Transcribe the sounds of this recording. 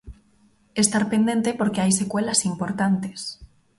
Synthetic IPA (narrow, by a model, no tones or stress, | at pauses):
e̞st̪aɾpe̞nd̪e̞nt̪e̞po̞ɾke̞ajse̞kwe̞lasimpo̞ɾt̪ant̪e̞̥s